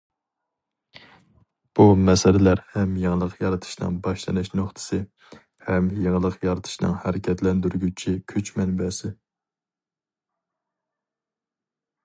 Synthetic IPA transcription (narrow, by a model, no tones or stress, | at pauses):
b̥umɛsɛlɪlæɾhɛmjeŋəlˠəqjɑɾɨt̪ʰɨ̥ʃnɨ̰ŋbɑʃlˠɨnɨʃnoχt̪ʰɨ̥sɨ | hɛmjeŋəlˠəqjɑɾɨt̪ʰɨ̥ʃnɨ̰ŋhæɾɪkʲʰɛt̪lɛnd̪yɾɡʲyt͡ʃʰikʲʰyt͡ʃmɛnbɛsɪ